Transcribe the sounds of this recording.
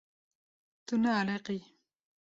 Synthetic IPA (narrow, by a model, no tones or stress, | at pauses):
t̪unaːleqi